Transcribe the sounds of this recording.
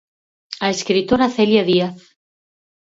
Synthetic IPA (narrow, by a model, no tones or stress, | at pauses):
aeskɾit̪oɾaθeljaðiaθ